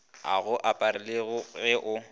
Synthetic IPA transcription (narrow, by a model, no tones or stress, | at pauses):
a̰ɣʊʔapʼaɾɪlɪɣʊɣɛʔʊ